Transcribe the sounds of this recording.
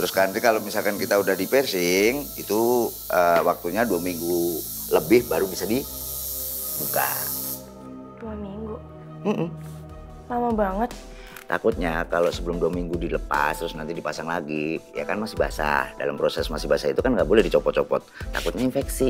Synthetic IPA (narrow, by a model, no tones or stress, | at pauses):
t̪ɾʊskanɾikalomisalkankit̪audahdipɛrsɪŋḭt̪uʔəwak̚t̪uɲaduamiŋɡu | ləbɪhbaɾubisadi | buka̰ | d̥uamiŋɡu | m̩hm̩ | samabaŋət̪̚ | t̪a̰kʊt̪̚ɲakalosəbəlʊmduamiŋɡudiləpa̰st̪ɾʊsnant̪idipasaŋlaɡija̰kanmasɪhba̰sa̰da̰lampɾosɛsmasɪbasait̪ukanŋɡaʔbolɛhdit͡ʃɔpɔt̪̚t͡ʃɔpɔ̰t̪̚ːa̰kʊt̪̚ɲainfɛksi